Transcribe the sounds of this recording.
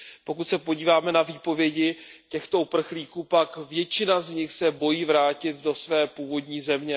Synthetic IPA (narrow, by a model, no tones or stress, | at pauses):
po̞kut̪sɛpo̞ɟiːvaːmɛnaviːpo̞vjɛɟɪcɛxt̪o̞upr̩xliːkuːpakvjɛt͡ʃɪnazɲɪxsɛbo̞jiːvɾaːcɪt̪do̞svɛːpuːvo̞dɲiːzɛmɲɛ